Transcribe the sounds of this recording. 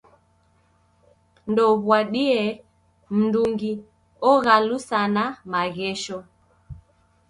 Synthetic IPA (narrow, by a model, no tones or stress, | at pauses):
ndɔβwaɗiɛ | m̩nduŋɡi | ɔɣalusanamaɣɛʃɔ